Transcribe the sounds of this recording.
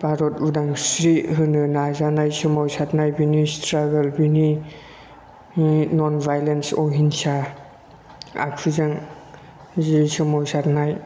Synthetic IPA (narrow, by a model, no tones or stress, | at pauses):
b̥aɾɔtudaŋsɾiɦɯnɯnazanajsɯmɔwsatnajbinistɾaɡəlbini | nɔnbʱajlensɔɦinsa | a̰kʰuzaŋ | zisɯmɔwsatnaj